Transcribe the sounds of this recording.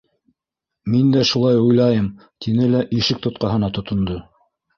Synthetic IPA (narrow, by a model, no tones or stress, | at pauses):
mind̪æʃulˠɑjujlˠɑjɤm | t̪ʰinɘlæʔiʃɘk̚t̪ŏt̪̚qɑɦɤ̆nɑt̪ŏt̪ŏnd̪o